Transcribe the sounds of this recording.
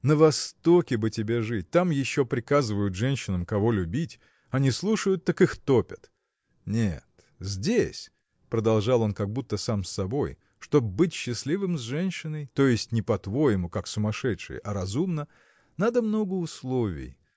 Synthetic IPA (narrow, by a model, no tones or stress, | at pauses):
nəvɐst̪o̞kʲɪbɨtʲɪbʲe̞ʐɨt̚ʲt̪amjɪɕːo̞pɾʲɪkazɨvəjʊt̪ʐɛnʲɕːɪnəmkɐvo̞lʲʊbʲitʲ | ɐnʲɪslˠuʂəjʊt̪ːakɨxt̪o̞pʲət̪ | nʲet̪ | zʲdʲesʲ | pɾəd̪ɐlˠʐɑlˠo̞nkɐɡ̚but̪ːəsamsːɐbo̞j | ʂt̪o̞bbɨtʲɕːɪslʲivɨmzʲʐɛnʲɕːɪnəjt̪o̞jɪsʲtʲnʲɪpɐt̪vo̞jɪmʊkaksʊmɐʂɛt̪ʂɨ̰jə̰ʔɐɾɐzumnə | nad̪əmno̞ɡəʊslˠo̞vʲɪ̰j